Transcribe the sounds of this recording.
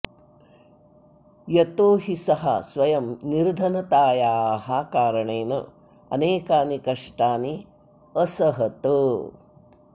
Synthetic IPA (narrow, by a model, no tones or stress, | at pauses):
jɐt̪oːɦisɐɦɐ̰sʋɐjɐmniɾd̪ʱɐnɐt̪aːjaːɦɐkaːɾɐɳeːnɐ̰ | ɐ̰neːkaːnikɐʂʈaːni | ɐsɐɦɐt̪u